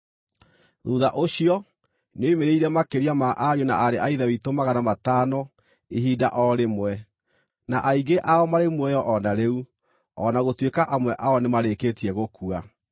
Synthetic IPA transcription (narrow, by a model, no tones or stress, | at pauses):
ðuða̰ʔoɕiɔ | noimeɾeiɾɛmakeɾiamaʔaɾona̰ʔaɾeʔaiðawitomaɣanamataːnɔ | eɦiːda̰ʔɔɾemwɛ | naʔaiɣɡeʔaɔmaɾemwɛjɔʔɔnaɾeu | ɔnaɣotwekaʔamwɛʔaɔnemaɾekeːtiɛɣokua